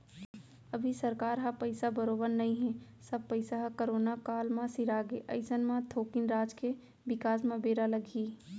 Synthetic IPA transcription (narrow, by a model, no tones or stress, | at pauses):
ɐbʱisɐɾkaːɾɦapɐɪsabəɾoːbəɾnɐɦĩɦɛ̃ | sɐb̚pɐɪsaɦakəɾoːnakaːlmãsɪɾaːɡeʔɐ̰ɪsənmãt̪ʰoːkɪnɾaːd͡ʒke | ʋɪkaːsmãbeːɾalɐɡʱiː